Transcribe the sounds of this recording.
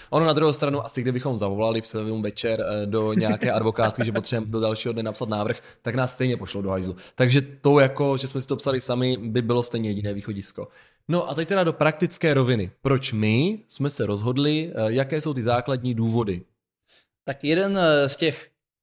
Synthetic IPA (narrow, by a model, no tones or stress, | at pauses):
ʔononad̪ɾuɦowst̪ɾanuʔasɪɡdɪbɪxo̞mzavo̞lalɪfsɛɛumvɛt͡ʃɛɾdo̞ɲɛakɛːʔadvo̞kaːt̪kɪʒɛp̬ot̪r̥ɛɛmdodɛlʃiːɦodnɛnapsat̪naːvr̩x | t̪aknaːsːt̪ɛjɲɛpoʃlodoɦajzut̪aɡʒɛt̪o̞wjako̞ʒɛsmɛsɪ̥t̪opsalɪsamɪbɪbɪlo̞st̪ɛjɲɛjɛɟɪnɛːviːxo̞ɟɪsko̞̰ | no̞ʔat̪ɛc̚t̪ɛdado̞pɾak̚t̪ɪt͡skɛːɾo̞vɪnɪpɾo̞t͡ʃmɪsmɛsɛɾo̞zɦo̞dlɪjakɛːso̞wt̪ɪzaːkladɲiːduːvo̞dɪ | t̪akjɛdɛnscɛx